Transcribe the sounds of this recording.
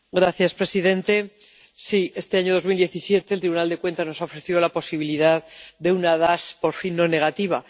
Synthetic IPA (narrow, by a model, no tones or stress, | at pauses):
ɡɾaθjaspɾe̞siðẽ̞nt̪e̞ | sie̞st̪e̞aɲo̞ð̞o̞zmild̪je̞θisje̞t̪e̞ːlt̪ɾiβunald̪e̞kwe̞nt̪ano̞saofɾe̞θjo̞lapo̞siβiliðaðd̪e̞unaðaspo̞ɾfinːo̞ne̞ɣ̞at̪iβ̞a